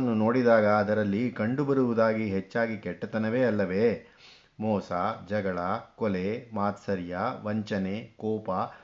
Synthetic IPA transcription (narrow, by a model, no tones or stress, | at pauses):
nːuno̞ːɽid̪aːɡɐːd̪ɐɾɐlːikɐɳɖubɐɾuʋud̪aːɡiɦet͡ʃːaːɡikɛʈːɐt̪ɐnɐʋeːɐlːɐʋe̞ | mɔːsaːd͡ʒɐɡɐɭɐkɔlemaːt̪sɐɾjaʋɐɲt͡ʃɐnekɔːpɐ